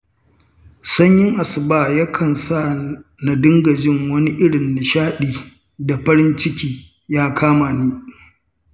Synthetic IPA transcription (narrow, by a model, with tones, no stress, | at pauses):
sɐ˦ɲjɪ˦ŋʔa˨sɪ˨baː˦˨jɐ˦kʰɐ˨nsa˦˨ | na˨dɪ˦ŋɡɐ˨d͡ʒɪ˦ŋwɐ˦ni˦ʔɪ˦ɽɪ˨nːɪ˨ʃaː˦ɗiː˨ | da˨ɸɐ˦ɾɪ˦nt͡ʃɪ˦kʲiː˦ | jaː˦kʰaː˦maː˨niː˦